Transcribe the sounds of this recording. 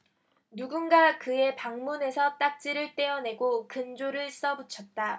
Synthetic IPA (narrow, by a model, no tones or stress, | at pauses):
nuɡunɡakɯe̞paŋmune̞sʰʌt͈ak̚t͡ɕ͈iɾɯɭt͈e̞ʌne̞ɡokɯnd͡ʑoɾɯɭs͈ʌbut͡ɕʰʌt̚t͈a